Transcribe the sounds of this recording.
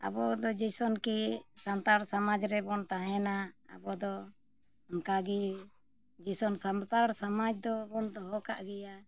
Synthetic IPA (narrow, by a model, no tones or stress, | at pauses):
a̰bɔd̪ɔd͡ʒisɔnkisamt̪aɾsamad͡ʒɾɛbɔnt̪aɦɛnaa̰bɔd̪ɔ | ankaɡi | d͡ʒisɔnsamt̪aɾsamad͡ʒd̪ɔbɔnd̪ɔɦɔkaʔɡɛja